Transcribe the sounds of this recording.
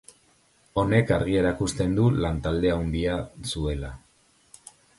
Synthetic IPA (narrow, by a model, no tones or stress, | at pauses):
o̞ne̞kaɾɣ̞ie̞ɾakust̪e̞nd̪ulant̪ald̪e̞awnd̪iasue̞la